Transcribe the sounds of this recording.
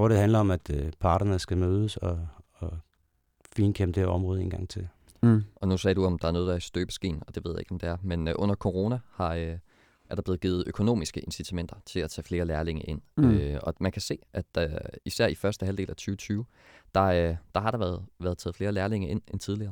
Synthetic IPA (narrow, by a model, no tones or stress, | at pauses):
ɔɾ̥eɦænlɐɒ̽mæd̥pʰɑ̈ːɾ̥ɐnəsɡ̥æmøːð̞ˠəsɒ | fiːnkʰeməd̥eɐɒ̽mʁɔːð̞ˠe̝ːnŋɡ̥ɑ̈ŋ̰t͡sʰe̝l | ʔɒ̽nusɛ̰ːd̥uɒ̽md̥ɑ̈æɐɔːðˠdɑsd̥øːb̥ə̥sɡ̥e̝̰ːnɒ̽d̥e̝ʋe̝ð̰ˠjae̝ɡ̥ɒ̽md̥e̝æɐmenʔɔ̽n̰ɐkʰo̝ʁo̝næhɑ̈ | æɐɾ̥ɑb̥le̝ːð̩ɡiːð̞̩ˠʔøkʰo̝no̝̰ːmisɡ̥əʔe̝nsit͡sʰæmen̰d̥ɐt͡sʰe̝læt͡sʰɛ̰ːfle̝ːɐlæɐle̝ŋɐʔe̝n̰øɒ̽mænkʰæse̝̰ːʔæd̥isæɐ̰ifɶɐsd̥əɦælde̝̰ːlʔæt͡sʰyːʊət͡sʰyːʊ | d̥ɑ̈d̥ɑ̈hɑ̈ɾ̥ɑ̈ʋæːɐðˠʋæːɐðˠt͡sʰɛːð̩ˠfle̝ːɐlæːɐle̝ŋɐʔe̝n̰ent͡sʰið̞ˠliɐː